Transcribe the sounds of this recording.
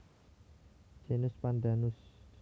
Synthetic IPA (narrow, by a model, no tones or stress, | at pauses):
d͡ʒenʊspand̪anʊs